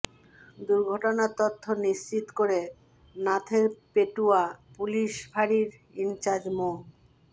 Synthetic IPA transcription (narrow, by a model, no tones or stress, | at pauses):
d̪uɾɡʱoʈonat̪ot̪ʰːoniʃt͡ɕit̪koɾe | nat̪ʰeɾpeʈuapuliʃbʱaɾiɾ | int͡ɕaɾd͡ʑmo